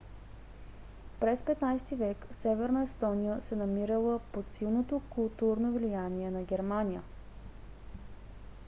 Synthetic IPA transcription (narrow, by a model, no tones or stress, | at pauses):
pɾɛspɛt̪najst̪ivɛksɛvɛɾnəɛst̪ɔnijəsɛnɐmiɾəlˠəpot̪silˠnot̪okulˠt̪uɾnovlijaniɛnɐɡʲɛɾmanʲijə